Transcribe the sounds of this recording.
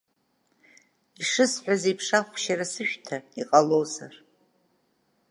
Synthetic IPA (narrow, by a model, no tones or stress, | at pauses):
iʂɨsħʷᶣazepʰʂaχʷʃaɾasɨʃᶣtʰaiqʼalowza̰r